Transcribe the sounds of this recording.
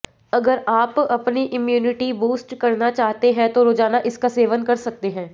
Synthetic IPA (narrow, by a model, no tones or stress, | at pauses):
ɐɡəɾaːpɐpniʔɪmjuːnɪʈibuːsʈkɐɾnat͡ʃaːɦt̪eɦɛ̃t̪oɾoːd͡ʒaːnaʔɪskaseːʋənkɐɾsɐk̚t̪eɦɛ̃ː